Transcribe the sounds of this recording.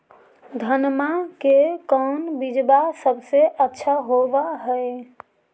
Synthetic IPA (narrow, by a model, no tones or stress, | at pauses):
d̪ʱənmakekəʊnbid͡ʒbasəbseʔətːʃʰaɦobaɦəj